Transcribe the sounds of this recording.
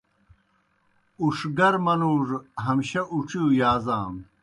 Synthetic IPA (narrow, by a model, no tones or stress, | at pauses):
uʂɡɐɾmɐluːʐɦɐmɕɐʔuʈ͡ʂʰiujaːzaːm